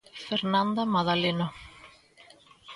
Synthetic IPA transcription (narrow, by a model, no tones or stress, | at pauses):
fɛɾnant̪amaðalɪnɔ